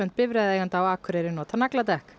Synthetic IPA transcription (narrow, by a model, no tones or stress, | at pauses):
œnt̪̚pɪvɾɛðɛːjɣant̪awaːkʰʏɾeɾɪnɔːt̪ʰanaklat̪ɛhk